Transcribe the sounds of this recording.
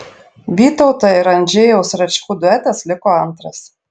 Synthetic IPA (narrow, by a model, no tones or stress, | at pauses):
ʋʲiːt̪oʊt̪ɐɪɾɐnʲd͡ʒʲejɛʊsɾɐt͡ʃʲkuːd̪ʊɛt̪ʲɛslʲɪkoːɐnt̪ɾɐs